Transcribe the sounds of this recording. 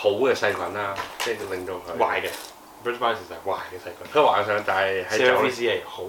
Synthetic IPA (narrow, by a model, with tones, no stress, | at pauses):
ho˨˥wkɛː˧sɐ˧jkʰʷɐ˨˥naː˧t͡sɛː˥˩klɪ˨˧ŋtɔ˧˩ŋkʰɵ˨˧wa̰ː˨jɡɛ˧ | bɹɪ˥sba˥sɪ˨slɐ˨˩k̚wa̰ː˨˩jkɛ˧sɐ˧jkʰʷɐ˨˦nkʰœ˨˧˥waː˨˥ŋs̬œː˨˧ŋt̪aː˨jhɐ˨˥jɔ˨˧i˥siː˥e˥˩ho˨˦w